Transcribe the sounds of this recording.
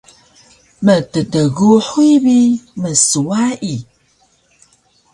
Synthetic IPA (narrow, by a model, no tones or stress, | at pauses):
mətədəɣuħuibiməsuwaʔi